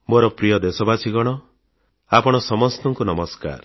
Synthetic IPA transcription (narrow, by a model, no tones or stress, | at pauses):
boɾɔpɾijɔd̪esɔbasʰiɡɔɽ̃ɔ | apɔɽ̃ɔsɔmɔst̪ɔŋkunɔmɔska̰ɾ